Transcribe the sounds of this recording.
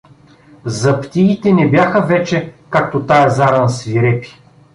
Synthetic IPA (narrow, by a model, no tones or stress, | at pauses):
zɐpt̪iːt̪ɛnɛbjaxəvɛt͡ʃɛkak̚t̪ot̪ajɛzaɾɐnsviɾɛpi̥